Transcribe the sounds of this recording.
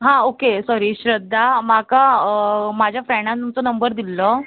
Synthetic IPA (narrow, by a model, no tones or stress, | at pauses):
ɦãokesɔɾiːɕɾəd̪ʱːamaka | mad͡ʑʱjafɾɛɳãt̪umt͡sɔnəmbəɾd̪ilːə